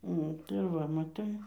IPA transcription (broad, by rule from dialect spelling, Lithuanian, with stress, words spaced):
ˈnʊ tɐɪ ˈʋɐ mɐˈtɐɪ